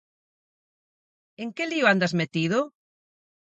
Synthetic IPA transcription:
eŋkelioand̪azmet̪iðo

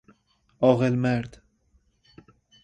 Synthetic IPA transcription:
ɒːɣelmæɾd̪

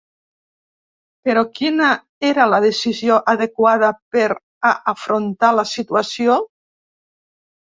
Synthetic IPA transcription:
peɾokina | eɾalaðesizjoʔaðekwað̞apeɾ | aʔːfɾont̪alasit̪uasjo

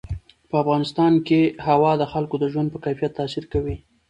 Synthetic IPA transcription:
pəafɣɑnɪst̪ɑnkehawɑd̪əxalkod̪əʒwand̪pəkajfijat̪ːasiɾkawi

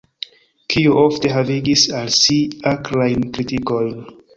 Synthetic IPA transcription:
kʰiuʔofte̞ɦaviɡisalsiaklajnkɾitiko̞jn

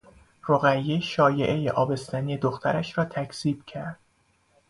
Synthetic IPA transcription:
roɣæjːeʃɒːje̞ʔejeʔɒːbe̞st̪æniːed̪oxt̪ʰæɾæʃɾɒːt̪ʰækʰsiːb̥̚cʰæɾd̪̥

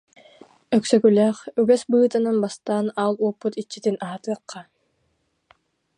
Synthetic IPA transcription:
œksœkylɛːχyɡɛsbɯːt̪ananbast̪aːnalˠuɔpːut̪it͡ɕːit̪inaɦat̪ɯːqːa

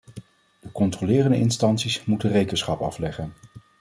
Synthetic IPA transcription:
d̥əkɔntrolɪːrəndəɪnstɑntsismutənrejkənsχɑpɑ̰flɛχən

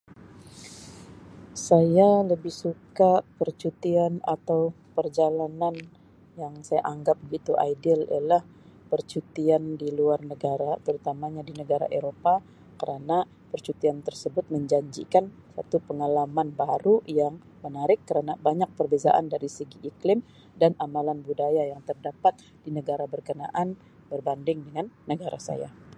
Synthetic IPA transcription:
sajaləbɪhsukapərt͡ʃut̪iana̰t̪aw | pərd͡ʒalanan | jaŋsaja̰ʔaŋɡap̚bəɡit̪uʔa̰jdɪlḭjalah | pərt͡ʃut̪iandiluarnəɡaɾat̪əɾut̪amaɲadinəɡaɾa̰ʔeɾopa | kəɾana | pərt͡ʃut̪iant̪ərsəbʊt̪̚məɲd͡ʒaɲd͡ʒḭkan | sa̰t̪upəŋalamanbaɾujaŋ | mənaɾɪkːəɾanabaɲak̚pərbeza̰ʔa̰ndaɾisəɡiʔːklɪm | danamalanbudajajaŋt̪ərdapat̪̚ | d̥inəɡaɾabərkəna̰ʔan | bərbandɪŋdəŋanːəɡaɾa̰sa̰ja̰

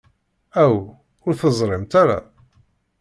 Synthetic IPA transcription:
æw | ʊɾθəzˤɾˤɪmt̪aɾa̰

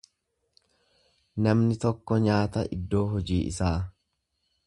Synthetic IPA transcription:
nɐmnɪt̪ɔkːɔɲaːt̪ɐ̰ʔɪ̰d̪ːo̞ːɦɔd͡ʒiːʔɪ̰saː

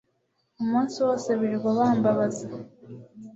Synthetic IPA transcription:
umuːnsiwo̞ːseβiɾɡwaβaːmbaβaze

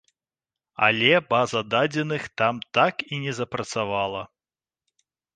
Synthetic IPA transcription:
a̰lʲɛbazɐd̪ad͡zʲɛnɨxt̪amt̪akinʲɛzɐpɾɐt̪savalˠɐ

